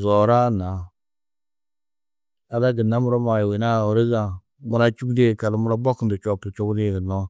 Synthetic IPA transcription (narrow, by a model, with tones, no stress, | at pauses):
zo˨ɾa˦na˨ | a˨la˦ɡi˨nːa˦mu˦ɾo˦ma˨jwi˨na˦˨ɾi˦ɡa˨ | mu˦ɾa˦t͡ʃu˦kde˦˨ka˨lmu˦ɾa˦bo˦kn˨di˨t͡ʃo˦pi˨t͡ʃo˦kni˦˨ɡə˨nːo˦